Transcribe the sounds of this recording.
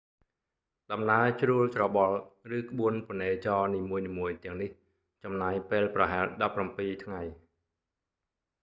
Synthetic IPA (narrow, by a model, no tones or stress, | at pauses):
ɗɑmnaət͡ɕruəlt͡ɕrɑɓɑlrɨːkə̆ɓuənponeːt͡ɕɑːniːmuəjniːmuəjt̪ɛ̆əŋnih | t͡ɕɑmnaːjpeːlprɑɦaɛlɗɑpːrampiːt̪ʰŋaj